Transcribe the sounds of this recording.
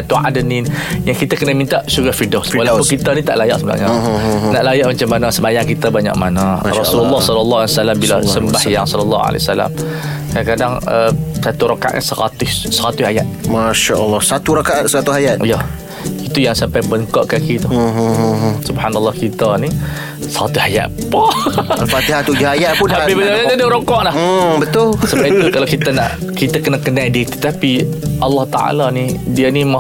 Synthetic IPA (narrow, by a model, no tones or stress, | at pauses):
at̪ua̰dəninjaŋkit̪akənəmint̪aʔsuɡahfidɔswalapʊkit̪anit̪a̰ʔlaja̰ʔsəmla̰ʔɲanaʔlajaʔmat͡ʃamːanasəmajaŋkit̪abaɲa̰ʔmanarɔsulɔlːɑhsɔləlːɑɦalsalambilasəmbahjaŋsɔləlːɑ̰a̰la̰jsala̰m | kakadaŋəsat̪uɾakaʔa̰t̪̚ɲa̰səɾa̰t̪ʊssəɾat̪ʊhajat̪̚maʃaəlːɑsat̪uɾakaʔat̪̚səɾat̪ʊajat̪̚ija | it̪ujaŋsampajbəŋkɔʔkakit̪uɦsubhanalːɑhkit̪əni | səɾa̰t̪ʊhaja̰ʔ̪pɔalfat̪iɦat̪ud͡ʒʊhajaʔpʊnaibəaadəɾokɔʔlah̩bət̪ʊlsəbait̪ukalakit̪ənaʔ | kit̪akənəkənadiət̪u̥t̪apiʔɑlːɑht̪a̰ʔa̰lanidiənima